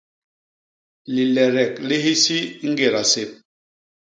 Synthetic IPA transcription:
li˨lɛ˨ɾɛ˨kli˦ɦi˦si˦ŋ̩˦ɡe˨ɾa˨se˦p̚

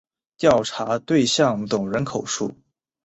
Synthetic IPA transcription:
t̪jɑ˥˩ʊʈ͡ʂʰa˧˥t̪we˥˧ɪɕjɑ˥˩ŋt͡s̪ʊ˨˩ŋɻə˧˥nkʰo˨˩ʊʂṵ˥˩

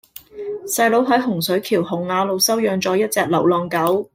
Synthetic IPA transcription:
sɐ˧jlo˨˥wɦɐ˨˥jɦʊ˨˩ŋsɵ˨˥ɥkʰiː˨˩whʊ˨˩ŋːaː˨˧lo˨˧wsɐ˥wjœː˨˧ŋt͡sɔː˨˥jɐ˥t̚t͡sɛː˨˧k̚lɐ˨˩wlɔː˨ŋkɐ˨˥w

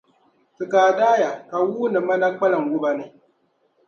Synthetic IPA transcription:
sɨ˨kaː˨daː˦ja˨ka˨wuː˦nɨ˨ma˦na˦k͡pa˦la˨ŋwʊ˦ba˦ne˦

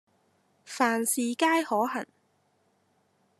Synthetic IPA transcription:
faː˨˩nsiː˨kaː˥jhɔː˨˥hɐ̰˨˩n

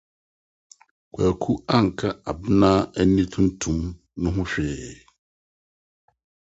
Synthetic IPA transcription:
kʰa˨kʰu˦a˦˨ŋ̩˨kʰa˦a˨bnã˦æ˨nĩ˦tʰũ˦n̩˦tʰũ˨m | nʊ̃˦ɦʊ̃˦ɕᶣɛ˨

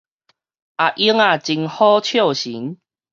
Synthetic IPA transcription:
ʔa˨ʔi˦əŋa˥˨t͡ɕi˧ŋhɔ˦t͡ɕʰjo˥˨ɕi˨˦ŋ

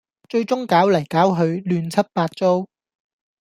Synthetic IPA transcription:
t͡ʃɵ˧ɥt͡sʊ˥ŋkaː˨˥wlɐ˨˩jkaː˨˥wɦɵ˨˧ɥlyː˧nt͡sʰɐ˥t̚paː˧t̚t͡so˥w

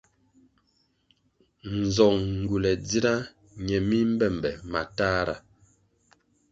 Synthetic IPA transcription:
n̩˨zɔ˨ŋŋ̩˨ɡu˨lɛ˨d͡zi˦ɾa˦ | ɲɛ˨mi˦m̩˦bɛ˦˨m˨bɛ˨ma˨taː˦ɾa̰˨

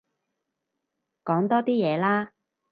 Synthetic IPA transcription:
kɔː˨˥ŋt̪ɔː˥t̪iː˥jɛː˨˧laː˥

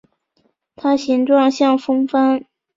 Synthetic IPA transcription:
t̪ʰa˥ɕi˧˥ŋʈ͡ʂwɑ˥˧ŋɕjɑ˥˩ŋfɤ˥ŋfa˥n

